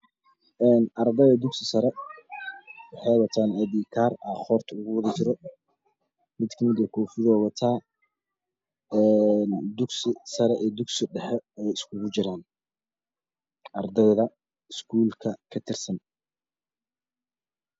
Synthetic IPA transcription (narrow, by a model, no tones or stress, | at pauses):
ʔɛːnʔɐrd̪ɐðɐd̪ʊɡsɪsɐɾɛ | wɑħɑjwɐt̪ʰaːnɛd̪iːkʰaːrɐχɔːrt̪ʰʊɣʊwɑðɐt͡ʃɪɾɔ | mɪd̪kʰɐmɪd̪ɐkʰɔːfɪðɔːwɐt̪ʰaː | ɛnd̪ʊɡsɪsɐɾɛʔɛːd̪ʊɡsɪɖɛħɛɛjɪskʰʊɣʊt͡ʃɪɾaːn | ʔɐrd̪ɐðɐ | ɪskʰuːlkʰɐkʰɐt̪ʰɪrsɐn